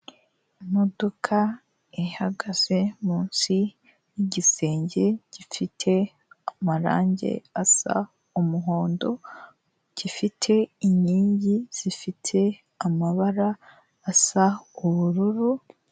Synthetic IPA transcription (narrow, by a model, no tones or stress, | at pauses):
mo̞do̞kʰa | ihaɡaze̞muːnsi | jiɟise̞ːɲɟe̞ɟ̥ifitʰe̞ | amaɾa̰ːɲɟe̞̰asa̰ | umuɦo̞ːndo̞ | ɟ̥ifitʰe̞iɲiːɲɟiz̥ifitʰe̞ | amaβaɾaː | sauβuɾuɾu